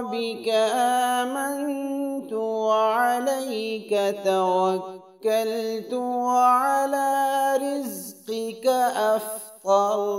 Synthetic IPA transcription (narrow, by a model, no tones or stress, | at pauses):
bɪkaʔaːmant̪ʊwʕalajkat̪awakː | alt̪ʊwaʕalaːɾɪzqɪkaʔafd̪ˤɑl